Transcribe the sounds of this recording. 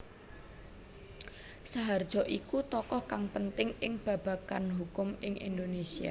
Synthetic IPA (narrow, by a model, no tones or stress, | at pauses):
saɦard̥ʒ̥ɔ̤ʔikut̪ɔkɔhkaŋpənt̪ɪŋɪŋb̥ä̤b̥ä̤kanɦukʊmɪŋʔḭnd̪onesia̰